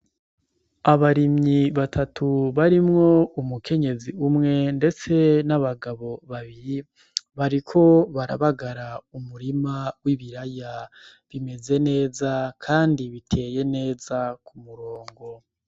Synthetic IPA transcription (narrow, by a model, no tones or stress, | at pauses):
aβaɾimɲiβatʰatʰuβaɾimŋo̞umukʰe̞ɲe̞ziumŋe̞nde̞t͡se̞naβaɡaβo̞βaβiɾi | βaɾikʰo̞βaɾa̰βaɡaɾaumuɾimawiβiɾajaβime̞ze̞ne̞ːzakʰaːndiβitʰe̞ːje̞ne̞ːzakʰumuɾo̞ːŋɡo̞